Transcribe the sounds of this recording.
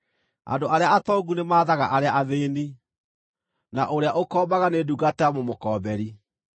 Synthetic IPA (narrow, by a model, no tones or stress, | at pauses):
a̰ndoʔaɾeaatɔɡunemaːðaɣaʔaɾeaʔaðeːni | naʔoɾeaʔokɔːbaɣaneduɡataamomokɔːbɛɾi